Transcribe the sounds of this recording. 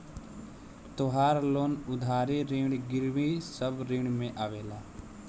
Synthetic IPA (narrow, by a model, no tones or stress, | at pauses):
t̪oɦaːɾloːnʊd̪ʱaːɾiːɾiːɳɡɪɾʋiːsəbɾĩːɳmẽʔaːʋeːlaː